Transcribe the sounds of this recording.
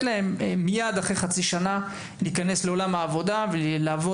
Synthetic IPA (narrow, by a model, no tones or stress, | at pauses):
lae̞mːijad̪aχejχat͡siʃana | liːkane̞sle̞o̞lamhaːvo̞d̪avelaːvo